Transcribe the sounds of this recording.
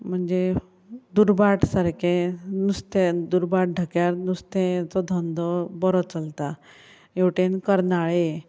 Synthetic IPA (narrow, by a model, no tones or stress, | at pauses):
m̤əɳd͡ze | d̪uɾbaʈsəɾkʰẽnust̪ẽd̪uɾbaʈ̚ɖʱəkjaɾnust̪ẽt͡sɔd̪ʱɔnd̪ɔbɔɾɔt͡səlt̪a | jewʈenkəɾnaɭe